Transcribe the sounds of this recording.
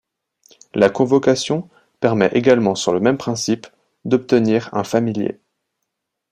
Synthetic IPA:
lakɔ̃vɔkasjɔ̃ | pɛʁmɛʔeɡalmɑ̃syʁləmɛmpχɛ̃sip | d̪ɔp̚t̪əniʁɛ̰̃familjḛ

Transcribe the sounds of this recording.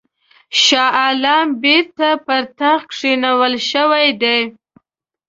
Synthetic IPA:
ʃɑalɑmbeɾt̪apəɾt̪axkʂinawəlʃəwajd̪e

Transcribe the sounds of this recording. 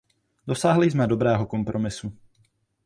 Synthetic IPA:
dosaːɦlɪzmɛdo̞bɾɛːɦoko̞mpɾʔo̞mɪsu

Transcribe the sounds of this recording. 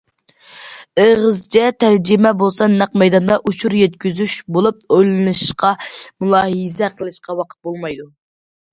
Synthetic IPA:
əʁəzt͡ʃʰɛt̪ʰæɾd͡ʒɪmɛbolˠsɑnæqmɛjd̪ɑnd̪ɑʔut͡ʃʰuɾjɛt̪̚kʲyzyʃbolˠup̚ojlˠɨnɨʃʃqɑmulˠɑːɦɨzɛqʰəlˠɨʃqɑwɑqʰə̥t̪̚bolˠmɑjd̪u

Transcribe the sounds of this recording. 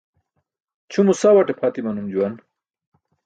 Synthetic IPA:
t͡ɕʰumusawɐʈepʰat̪imɐnumd͡ʑuwɐn

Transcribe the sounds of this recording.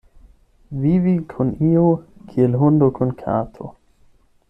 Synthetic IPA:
viːvikʰʊniːokʰielɦʊnd̪okʰʊnkʰa̰ːt̪ʰo̰

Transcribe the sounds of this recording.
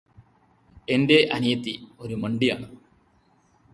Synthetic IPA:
e̞nde̞ʔɐnijɐt̪ːio̞ɾumɐɳɖija̰ːɳɨ

